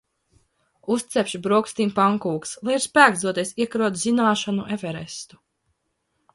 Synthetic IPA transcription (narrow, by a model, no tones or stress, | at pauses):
ust̪sɛpʲʃibɾuɔkst̪iːmpaŋkuːkslˠajiɾspæːɡzd̪uɔt̪iɛsiɛkɾuɔt̪zinaːʃanuʔɛvɛɾɛst̪u̥